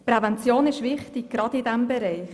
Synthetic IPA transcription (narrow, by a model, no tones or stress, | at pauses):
pɾɛvɛnt͡sjoːnɪʃvɪχtɪɡ̚ɡ̥ɾɑdɪdɛmbɛɾɛɪχ